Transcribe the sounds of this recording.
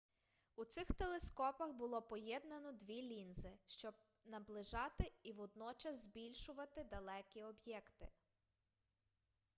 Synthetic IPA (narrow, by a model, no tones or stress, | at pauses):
ut̪sɪxt̪elˠeskɔpɐxbʊlˠɔpɔjɛd̪̚nɐnɔd̪ʲʋʲilʲinzɪʃt͡ʃɔb̚ | nɐblˠɪʒɑt̪ɪiʋɔd̪nɔt͡ʃɐzzʲbʲilʲʃʊʋɐt̪ɪd̪ɐlˠɛkʲiɔbjɛkt̪ɪ̰